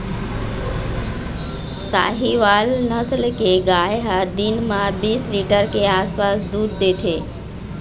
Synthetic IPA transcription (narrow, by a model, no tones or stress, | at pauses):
sa̰ːɦiʋaːlnəsəlkeɡaːeɦad̪inmãbiːsɾiːʈəɾkeaːspaːsd̪uːɾd̪eːt̪ʰeː